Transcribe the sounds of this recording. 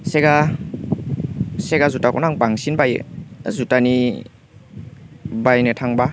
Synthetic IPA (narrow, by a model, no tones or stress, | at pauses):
seɡa | seɡazutakɔ̰naŋbaŋsinbajḛzutani | bajnetʰaŋba